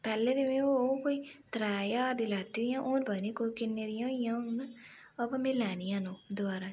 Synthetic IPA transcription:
pɛːlːeːd̪ɪʋẽːokoːit̪ɾaːjaːɾd̪ilaːt̪ːiːd̪ijãːʔoːnbəniːkoikɪnːeːd̪ɪjãːjãːon | ɐpmɪlɛːnijãnõːd̪ʊaːɾa

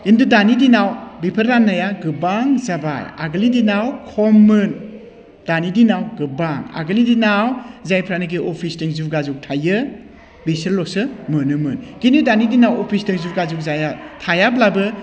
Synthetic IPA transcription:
indudanidinawbipʰɐɾɾanːajaɡɯbaŋzaba̰ja̰ɡɯlidinawkʰɔmːɯn | d̥anidinawɡɯbaŋa̰ɡɯlidinawzajpʰɾanɯɡiʔopʰisteŋzuɡazuk̚tʰajɯ | bisiɾlɔsɯmɯnɯmɯnɡinidanidinawopʰistiŋzuɾɡazuk̚zajatʰajablabɯ

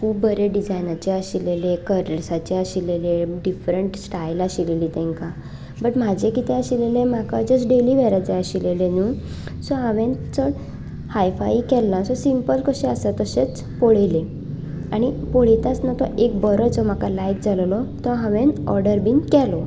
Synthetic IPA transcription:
kʰuːp̚bəɾeɖid͡zajnat͡ɕeəɕilelekəɾəɾsat͡ɕeəɕileleɖifɾəɳʈsʈailaɕileliːt̪ɛ̃ŋka | bəʈm̤ad͡ʑʱekit̪ẽəɕilelẽm̤akad͡zəsɖeliːʋɛɾat͡ɕeəɕilelenuː | sɔɦãʋẽnt͡səɽ | hajfaikɛlːasɔsimpəlkəɕeəsat̪əɕet͡s | poɭele | aɽ̃ipoɽ̤it̪at͡snat̪ɔʔek̚bəɾəd͡zɔm̤akalajk̚d͡zʱallɔt̪ɔɦãʋenɔ̰ɾɖəɾbinkɛlɔ

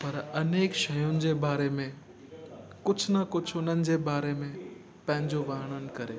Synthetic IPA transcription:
pɐɾɐneːkʃɐjʊnɪ̆d͡ʑebaːɾemẽ | kʊt͡ɕʰnɐkʊt͡ʃʰʊnənɪ̆d͡ʑebaːɾemẽ | pɐ̃ɦɪ̃ɲd͡ʑoʋaɦəɽ̃ənɪ̆kɐɾḛː

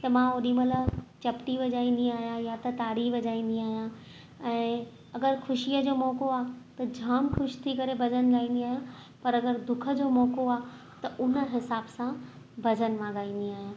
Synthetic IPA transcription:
t̪ɐmãoɗĩmɐlət͡ɕɐpʈiʋɐd͡ʑaːĩːn̆d̪iaːɦijãjat̪ɐt̪aːɽiʋɐd͡ʑaːĩːn̆d̪iaːɦijã | ɛ̃ː | ɐɡəɾxʰʊʃijəd͡ʑoːmɔːkoaːt̪ɐd͡ʑʱaːmxʊʃt̪ʰikɐɾebʱɐd͡ʑənɡaːĩːn̆d̪iaːɦijã | pɐɾɐɡəɾd̪ʊkʰə̆d͡ʑoːmɔːkoaː | t̪ɐʔʊnə̆ɦɪsaːbsã | bʱɐd͡ʑənmãɡaːĩːn̆d̪iaːɦijãː

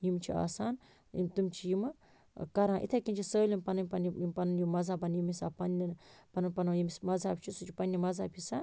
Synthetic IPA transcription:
jimt͡ʃʰia̰ːsaːn | ḭt̪umt͡ʃʰijimɨ | kɐɾãːʔḭt̪ʰekʲint͡ʃʰisəːlʲinpɐnɨnʲpɐnijimpɐnɨnjimɐzaːbɐnjimisaːpɐnlinpɐnɨnpɐnjimsmɐzaːb̚ʲt͡ʃʰisut͡ʃʰipɐnʲːimɐzaːpʲʰisa

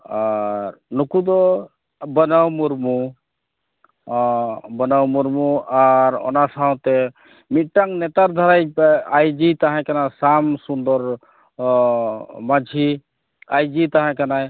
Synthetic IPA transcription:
aɾnukud̪ɔ | bənəwmuɾmu | bənəwmuɾmuaɾɔ̰nasaɦt̪e | miʈ̚ʈaŋnet̪aɾd̪ʱaɾajajd͡ʒit̪aɦɛ̃kanasamsund̪ɔɾ | mad͡ʒʱi | ajd͡ʒit̪aɦãkanaj

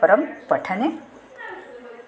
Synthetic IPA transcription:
əɾəmpəʈʰəne

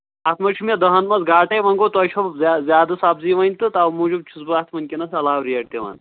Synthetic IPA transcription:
ɐt̪ʰmɐt͡ʃʰumɐd̪ɐɦɐnmɐzɡaːʈɐjʋɐŋɡot̪ɐt͡ʃʰɐzʲjaːd̪ɐsabziːʋɐnʲt̪ɨt̪amuːd͡ʒubt͡ʃʰusbɨaːt̪ʰmɐnʲkʲinɐsɐlaːwɾijɐɽt̪eʋɐ̰n

